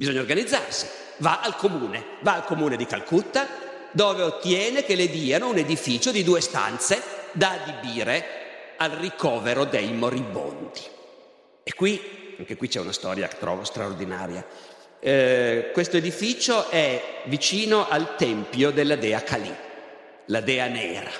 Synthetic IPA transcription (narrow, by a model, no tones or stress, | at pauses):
bizoɲːaorɡanid̪zːarsi̥ | vaʔalkomuːne | vaːlkomuːned̪ika̰lkut̪ːa | d̪oːveot̪ːjɛːnekeled̪iːanouned̪ifiːt͡ʃod̪id̪uːest̪a̰nt̪sed̪aːd̪ibiːɾealrikʰɔːveɾod̪ejmoɾibo̰nd̪i | ekːwiaŋkekwit͡ʃɛunast̪ɔ̰ːɾja̰kt̪ɾɔ̰vost̪ɾaord̪ina̰ːɾja̰ | kwest̪oed̪ifiːt͡ʃoʔɛvit͡ʃiːnoʔalt̪ɛmpjod̪elːad̪ɛːakalḭ | lad̪ɛːanɛ̰ːɾa̰